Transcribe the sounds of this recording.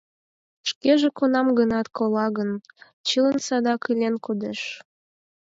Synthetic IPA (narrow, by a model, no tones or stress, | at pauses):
ʃkeʒekonɑmɡənɑt̪kolɑɣən | t͡ɕilənsɑd̪ɑkɯlʲenkud̪eʃ